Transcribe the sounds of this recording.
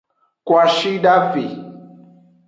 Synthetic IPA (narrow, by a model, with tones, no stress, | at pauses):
kwa˨ʃi˦da˦fi˨